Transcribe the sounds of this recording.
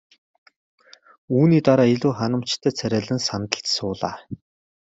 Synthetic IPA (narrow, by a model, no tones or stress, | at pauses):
uːniːt̪aɾaːiɮuːχanə̆m̥t͡ɕt̪ʰœːt͡sʰæɾʲæːɮɘ̆nsant̪ə̆ɬt͡ɕsʊːɮa̰ː